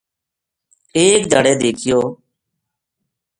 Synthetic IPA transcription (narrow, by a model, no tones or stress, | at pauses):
eːkd̪ʱəɽeːd̪eːkʰɪjoː